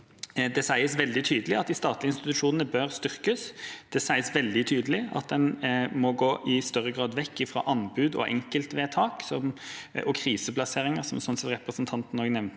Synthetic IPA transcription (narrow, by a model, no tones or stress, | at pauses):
d̪ɛsæɪəsʋɛld̪ɪt̪ʰyːd̪əlɪɑt̪̚d̪ɪst̪ɑːt̪lɪɪnst̪ɪt̪ʉʂuːnənəbœʁst̪ʏʁkəsd̪̥ɛsæɪəsʋɛld̪ɪt̪ʰyːd̪əlɪɑ̰t̪̚d̪ɛnmɔɡoːʔɪst̪œʁəɡʁɑːd̪ʋɛkːɪfʁɑ̰ːʔɑnbʉːd̪ɔ̰ʔɛŋkəlt̪ʋeːt̪ʰɑːksɔmɔkʰɾiːsəplɑseːʁɪŋəʁsɔmsɔnsɛt̪ɾɛpɾəsnt̪ʰɑnt̪n̩ɔːɡnɛʋnt̪